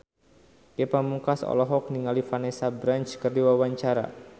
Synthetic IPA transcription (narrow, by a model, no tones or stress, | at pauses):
kepamukasɔ̰lɔɦɔk̚niŋalifanesabɾant͡ʃkərdiwawaɲt͡ʃaɾa̰